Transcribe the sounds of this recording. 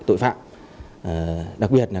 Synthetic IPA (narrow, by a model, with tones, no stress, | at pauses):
t̪o̰˧˨jfa̰ː˧˨mː˨˩ | ɗa˨˩k̚ɓi˨˩ə˩t̚laː˨